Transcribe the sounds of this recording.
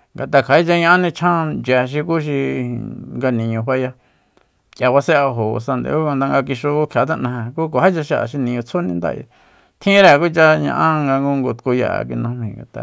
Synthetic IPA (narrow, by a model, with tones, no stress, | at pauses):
ŋɡa˨t̪a˧kʰa˨˦i˦t͡ʃa˧ɲã˧ʔã˦nĩ˧t͡ʃʰã˦d͡ʒa˨˧ʃ̬i˧ku˦ʃ̬i˧ | ŋɡa˧nĩ˨ɲũ˧ɸʷwa˦ja˧ | ja˧βa˧sẽ˦a˧ɦo̰˨˧sa˧nd̪ḛ˧˨˦u˦kã˧nd̪a˧ŋɡa˧k̬i˧ʃu˧kʰja˨˦t̪̬ã˦˧ʔnã˧hẽ˧ku˦k̬ʷa˨ha˦t͡ʃa˧ʃa˧ʔa̰˨ʃ̬i˧nĩ˧ɲũ˧t͡sʰo˦nĩ˧nd̪a̰˧˨ḭ˧ | t̪ʰĩ˦ɾe˧˨˧ku˦t͡ʃa˦ɲã̰˧ʔã˦ŋɡa˧ŋɡu˦ŋɡo˧t̪ku˧ja̰˧˨a̰˧˨ki˧nũ˧mĩ˧˨ŋɡa̰˨t̪a̰˧